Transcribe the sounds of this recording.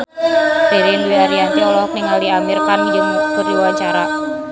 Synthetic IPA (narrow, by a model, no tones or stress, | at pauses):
d̥e̤ɾinduiaɾiant̪iɔlɔk̚nɪŋaliamirkand͡ʒəŋmukurdiwaɲt͡ʃaɾa